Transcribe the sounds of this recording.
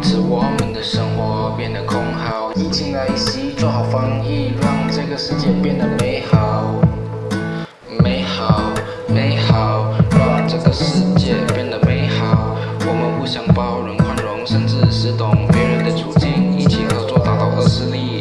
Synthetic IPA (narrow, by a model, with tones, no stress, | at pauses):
ʈ͡ʂʰɻ̩˧˩wɔ˨˩mə˨nd̪ə˦ʂə˥ŋxwɔ˧˥˦pjɛ˥˩nd̪ə˩kʰʊ˥ŋxɑ˨˩ʊi˥˩t͡ɕʰi˥ŋla˧˥ɪi˥˩ɕi˥t͡swɔ˥˧xɑ˨˩ʊfɑ˥ŋi˥˩ɻɑ˥˧ŋʈ͡ʂɤ˥˩ɡə˩ʂɻ̩˥˧t͡ɕjɛ˥˧pjɛ˥˩nd̪ə˩me˧˥ɪɑ˨˩ | mme˧˥ɪxɑ˨˩ʊʊ | me˧˥ɪxɑ˨˩ʊɻɑ˥˧ŋʈ͡ʂɤ˥˩ɡə˩ʂɻ̩˥˧t͡ɕjɛ˥˧pjɛ˥˩nd̪ə˩me˧˥ɪxɑ˨˩ʊ | wɔ˨˩mə˦nxu˥˧ɕjɑ˥ŋpɑ˥˩ʊɻə˧˥nkʰwa˥nɻʊ˧˥ŋʂə˥˧nʈ͡ʂɻ̩˥˧ʂɻ̩˥˩t̪ʰʊ˨˩ŋpjɛ˧˥ɻə˧˥nd̪ə˧˩ʈ͡ʂjo˧˥ʊt͡ɕi˥˩ni˨˩t͡ɕʰi˧˥xɤ˧˥t͡swɔ˥˧t̪a˨˩t̪a˥˩ʊd̪ə˧˨ʂɻ̩˥˧li˥˩